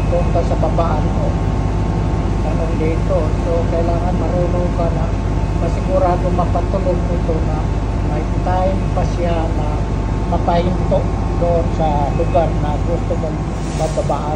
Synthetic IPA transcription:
k̪ʊnt̪asɐbɐbaʔanmo | k̪ɐnond̪iːt̪o | sokɐʔɪlaːŋanmɐɾunokana | mɐsɪɡʊɾaːd̪omɐpat̪ʊloɡ̚nɪt̪onɐ | mɐ | t̪ajɪnpasɪa | nɐ | mɐpɐhɪnt̪oʔ | d̪ʊʔonsɐlʊɡaɾnɐɡʊst̪ʊmoŋ | mɐbɐbaʔa

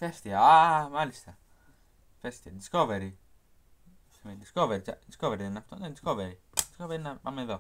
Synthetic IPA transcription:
fest̪iɐmɐlist̪ɐ | fest̪iɐd̪isko̞veɾi | med̪iskoveɾit͡ʃɐd̪iskoveɾiðenɐft̪onðend̪i̥skoveɾid̪iskoveɾinɐpɐmeðo

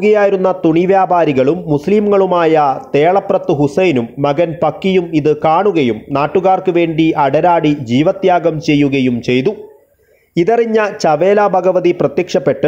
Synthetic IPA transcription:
ɣɐjaːjiɾunːɐt̪uɳiʋjaːbaːɾiɣɐɭumːusliːmŋɐɭumaːjɐt̪e̞ːɭɐprɐt̪ːɨɦusɐjnumːɐɣɐnpɐkːijumiðɨkaːɳuɣɐjumnaːʈːuɣaːrkɨʋe̞ːɳɖiʔɐɽɐɾaːɽid͡ʑiːʋɐt̪jaːɡɐmt͡ɕe̞jːuɣɐjumt͡ɕe̞jt̪u | iðɐriɲːɐt͡ɕɐʋe̞ːlaːbʱɐɡɐʋɐðiprɐt̪jɐkʂɐpːe̞ʈːɨ

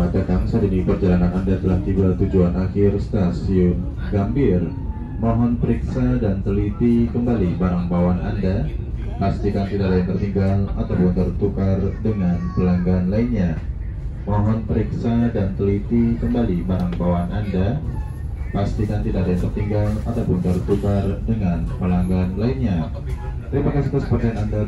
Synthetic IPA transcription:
adat̪aŋsadidipərd͡ʒalaŋanandat̪əlaht̪ibat̪ud͡ʒuanʔaxɪrst̪asiʊn | ɡambɪr | mɔɦɔnpəɾiksadant̪əlit̪ikəmbalibaɾaŋbawana̰nda | past̪ikant̪idadaant̪ərt̪iŋɡala̰t̪awpʊnt̪ərt̪ukardəŋanpəlaŋɡanlainɲa | mɔɦɔnpəɾiksadant̪əlit̪ikəmbalibaɾaŋbawanʔanda | past̪ikant̪idadajat̪ərt̪iŋɡalat̪awpʊnt̪ərt̪ukardəŋanpəlaŋɡanlainɲa | t̪əɾapakasət̪usə̥pərsananda

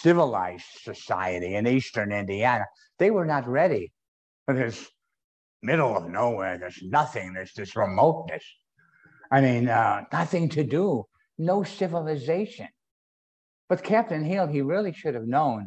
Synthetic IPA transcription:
sɪvəla̰ɪz̥dsɨsa̰ɪɨɾiɨ̃nistə̃˞nɪ̃ndiænə | ðeɪwə˞nət̚ɹɛɾi | ʌɨz | mɪɾl̩ˠʌvnoʊwɛɪðə˞znʌθɪ̃ŋðə˞zðɪsɹɨmoʊtⁿnɨs | aɪmĩnʌnʌθɪ̃ŋtʰɨdə | noʊsɪvəl̩ˠɨzeɪʃɨ̰̃n | b̥ʌt̚kʰæp̚tɨ̃nɦilˠiɹɪlˠiʃʊɾɨvnõʊ̃n

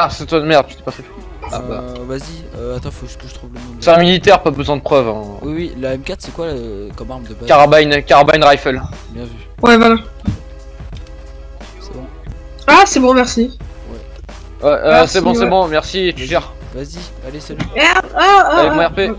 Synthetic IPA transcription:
asɛt̪wad̪mɛʁd̪ʃy̥t̪ɛ̥pasɛt̪u̥ | aavaziøat̪ɔ̃fokəʒət̪χuvləɔ̃seãmilit̪ɛʁpabəzwɛ̃d̪əpχœvɛ̃wiwilaɛmkʲat̪sɛkwakɔmaʁmd̪əakaʁabajnkʲaʁabanʁajfɛl | bjɛ̃sy | wɛvwala | sɛbɔ̃ | asɛbɔ̃mɛʁsi | wɛ | wɛʔøsɛbɔ̃sɛbɔ̃mɛʁsiet̪yʒɛʁ | vazi | alesɛaaɛɔ̃ɛʁpe

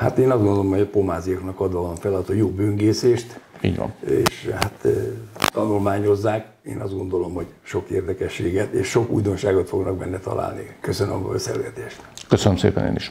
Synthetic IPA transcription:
hat̪eːnɒzdɡond̪olomhoɟɒpo̞maːzijoknɒkɒd̪ʋɒlonfɛlɒt̪ojoːbøŋɡeːseːʃt̪ḭːɟʋɒ̰nḛːʃhat̪ːt̪ɒnulmaːɲo̞zːaːk | ḛːnʔɒzd̪ɡo̞nd̪o̞lo̞mho̞ɟʃo̞keːrd̪ɛkɛʃːeːɡɛt̪eːʃʃo̞kṵːjd̪o̞nʃaːɡot̪fo̞ɡnɒk̚bɛ̰nːɛt̪ɒ̰lʔa̰ːlnḭkøsønø̰m̰sɛ̰lɡɛt̪eːʃt̪køsənømsḛːpɛnḛːniʃ

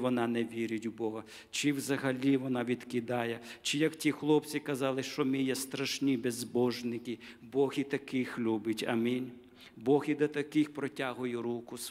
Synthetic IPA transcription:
ʋɔnɑnɛʋʲiɾʲʊtʲubɔɦɐ | t͡ʃɪwzɐɦɐlʲiʋɔnɑʋʲid̪̥kɪd̪ɑjɛt͡ʃɪjɐktʲixlˠɔp̚t͡sʲikɐzɑlˠɪʃt͡ʃɔmɪjɛst̪ɾɐʃnʲibezbɔʒnɪkɪbɔɣit̪ɐkɪxlʲubɪtʲɐ̰mʲinʲ | bɔɣid̪ɐt̪ɐkɪxpɾɔtʲɑɦʊjʊɾukʊs

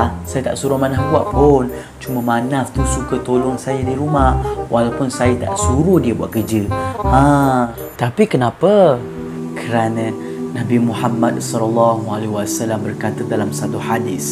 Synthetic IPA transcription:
asajat̪aʔsuɾʊhmanahbua̰ʔpʊn | t͡ʃuməmanaft̪usukət̪olɔŋsajadiɾumahwʔalawpʊnsajət̪a̰ʔsuɾʊhdiəbua̰ʔkəd͡ʒəã | t̪apikənapə | kʰəɾanə̃ | nabimuħamːad̚sɔlalːaɦualiwasalambərkat̪ədalamsat̪uħadɪs

